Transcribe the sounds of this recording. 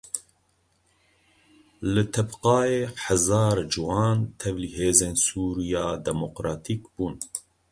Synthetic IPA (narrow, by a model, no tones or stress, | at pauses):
lɨt̪ʰɛbqɑːjeːħazɑːɾd͡ʒɨwɑːnt̪ʰɛvliheːzeːnsuːɾijɑːd̪ɛmoqɾɑːt̪ʰiːkb̥uːn